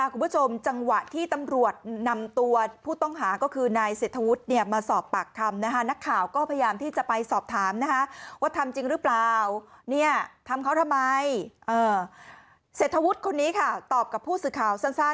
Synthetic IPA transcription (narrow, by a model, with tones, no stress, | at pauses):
ʔa˧˥˩kʰu˧mpʰu˦˥˩t͡ɕʰo˧mt͡ɕa˧ŋwa˨˩t̪ʰiː˥˩t̪a˧mɾu˨˩ət̪̚na˧mt̪u˧ɐpʰuː˥˩t̪ɔ˥˩ŋɦaː˩˦kɔː˥˩kʰɯː˧naː˧jseː˨˩t̪ʰːa˧wu˦˥t̪̚ni˥˩ɐmaː˧sɔː˨˩pːa˨˩k̚t̪ʰa˧mna˦˥kʰa˦˥na˦˥kʰːaː˨˩wkɔː˥˩pʰa˧jjaː˧mt̪ʰiː˥˩t͡ɕa˨˩ʔpa˧jsɔː˨˩p̚t̪ʰaː˩˦mna˦˥kʰa˦˥waː˥˩t̪ʰa˧mt͡ɕi˧ŋɾɯ˦˥plaː˨˩wni˥˩ɐt̪ʰa˧mkʰa˦˥wt̪ʰa˧mːa˧jʔɤː˧ | seː˨˩t̪ʰːa˧wu˦˥t̪̚kʰo˧nːiː˦˥kʰa˥˩t̪ɔː˨˩p̚ka˨˩pʰːuː˥˩sɯː˨˩kʰaː˨˩wsa˥˩nsaː˥˩